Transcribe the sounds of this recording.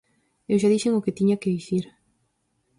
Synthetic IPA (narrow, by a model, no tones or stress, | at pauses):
ewʃaðiʃɪŋokɪt̪iɲakɪðiθiɾ